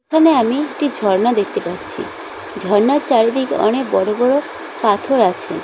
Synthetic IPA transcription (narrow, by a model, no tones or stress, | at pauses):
ekʰaneamiekʈid͡ʒʱɔɾnad̪ekʰt̪epaɾt͡ɕʰḭ | d͡ʒʱɔɾnaɾt͡ʃaɽid̪ʱikḛʔɔ̰ñek̚bɔɽobɔɽo | pat̪ʰoɾat͡ʃʰe